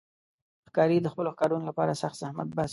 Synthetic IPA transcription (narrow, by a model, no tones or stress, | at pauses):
xkɑɾid̪əxpəloxkɑɾunolapɑɾasaxt̪zahma̰t̪̚bas